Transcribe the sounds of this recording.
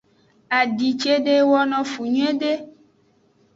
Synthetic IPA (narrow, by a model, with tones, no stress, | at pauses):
a˨ɖi˨t͡ʃe˦ɖe˦wɔ˦nɔ̃˦fu˨ɲũ˦ẽ˦ɖe˦